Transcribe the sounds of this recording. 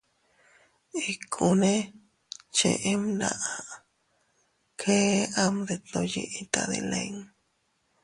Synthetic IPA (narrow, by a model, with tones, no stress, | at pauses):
i˨kʰu˨ne˦ | t͡ʃḛ˨ʔe˦mna˧ʔa | kʰe˦a˦md̪e˨t̪o˧je˧ʔet̪a˧ðe˨leŋ